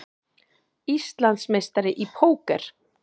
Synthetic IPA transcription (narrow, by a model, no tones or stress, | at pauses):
ist̪lant̪smejst̪aɾɪʔipʰoːwkɛɾ̥